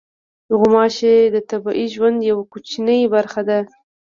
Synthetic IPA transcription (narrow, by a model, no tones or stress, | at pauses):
d̪ʊɣʊmɑʃed̪ət̪abɑʔiʒwand̪jawakut͡ʃinəjbaɾxad̪a